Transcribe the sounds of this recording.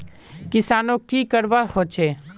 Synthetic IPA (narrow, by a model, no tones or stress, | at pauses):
kɪsaːnõkiːkəɾʋahot͡ʃʰeː